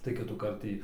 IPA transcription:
tɐɪ kʲɪtuːˈkɐrt ˈtʲiː

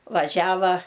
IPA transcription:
ʋɐˈʒʲæːʋɐ

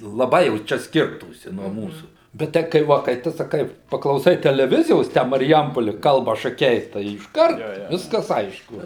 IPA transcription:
lˠɐˈbɐɪ jɛʊ ˈt͡ʃʲɛ ˈsʲkʲɪrtuːsʲɪ nuɔ ˈmuːsuː bʲɛt ˈtɐɪ kɐɪ ˈʋɐ kɐɪ ˈtʊ sɐˈkɐɪ pɐklˠɐʊˈsɐɪ tʲɛlʲɛˈʋʲɪzʲɪjoːs ˈtʲæː mɐrʲˈjɛmpoːlʲɪ ˈkɐlˠbɐ ʃɐˈkʲɛɪ tɐɪ ɪʃˈkɐrt ˈʋʲɪskɐs ˈɐɪʃkʊ

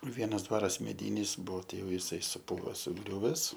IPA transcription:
ˈʋʲiɛnɐs ˈdʋɑːrɐs mʲɛˈdʲiːnʲɪs ˈbuɔ ˈtʲɛɪ ˈjɛʊ jɪˈsɐɪ sʊˈpuːʋɐ sʊˈɡrʲuːʋʲɛs

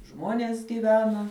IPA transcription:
ˈʒmoːnʲeːs ɡʲiːˈʋʲæːnɐ

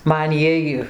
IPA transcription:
ˈmɐn ˈjiɛj

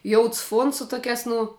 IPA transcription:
ˈjoːʊts ˈfuɔns sʊ ˈtoːkʲæːs ˈnʊ

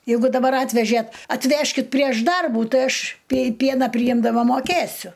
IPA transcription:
jɛɪˈɡʊ dɐˈbɐr ˈɑːtʲʋʲɛʒʲeːt ɐtʲˈʋʲæːʃʲkʲɪt pʲrʲiɛʃ ˈdɐrbuː ˈtɐɪ ˈɐʃ pʲiɛ ˈpʲiɛnɑː pʲrʲɪˈjɪmdɐmɐ moːˈkʲeːsʲʊ

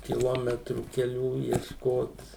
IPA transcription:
kʲɪˈlˠoːmʲɛtruː kʲɛˈlʲuː iɛʃˈkoːt

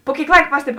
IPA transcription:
pʊ ˈkʲeːɪk ˈlˠɐɪk ˈpɑːsʲtʲɛbʲɪ

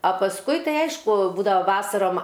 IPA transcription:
ɐ pɐsˈkʊɪ ˈtɐɪ ˈɐɪʃkʊ ˈbuːdɐʋɐ ˈʋɑːsɐroːm

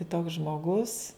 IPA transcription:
kʲɪˈtoːks ʒmoːˈɡʊs

